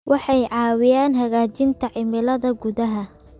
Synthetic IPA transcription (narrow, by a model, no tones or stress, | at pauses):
wʔɑħɑjʕɑːwɪjaːnɦɐɣaːt͡ʃɪnt̪ʰɐʕɪmɪlɐðɐɡʊðɐɦɐ